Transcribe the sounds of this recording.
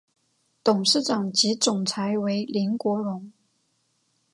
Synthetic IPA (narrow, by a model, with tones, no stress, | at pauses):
t̪ʊ˨˩ŋʂɻ̩˥˩ʈ͡ʂɑ˨˩ŋt͡ɕi˧˥t͡sʊ˨˩ŋt͡sʰa˧˥ɪwe˧˥ɪli˧˥nkwɔ˧˥ɻʊ˧˥ŋ